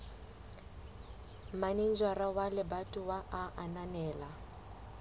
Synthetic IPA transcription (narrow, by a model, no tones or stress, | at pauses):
manin̩d͡ʒwarawalɪbatʼʊwaʔaʔananɛːla